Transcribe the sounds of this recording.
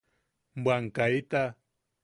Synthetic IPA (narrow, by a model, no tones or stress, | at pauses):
mbwaŋkait̪a